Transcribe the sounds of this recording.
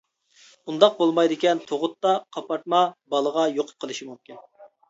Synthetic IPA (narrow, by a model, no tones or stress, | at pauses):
und̪ɑq̚bolˠmɑjd̪ɪkʲɛnt̪ʰoʁʊt̪ːɑqʰɑpɑɾt̪̚mɑbɑlˠəʁɑjoqʰʊ̥p̚qʰəlˠɨʃimumkʲin